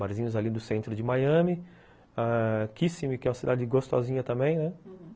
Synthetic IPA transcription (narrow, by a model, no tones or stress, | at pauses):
maɾzĩɲʊzalid̪ʊsẽnt̪ɾʊd͡ʒɪmajɐ̃mɪ | akisimɪkɪɛw̃ɐsid̪ad͡ʒɪɡost̪ɔ̰zĩɲɐt̪ɐ̃mbẽj̃nɛ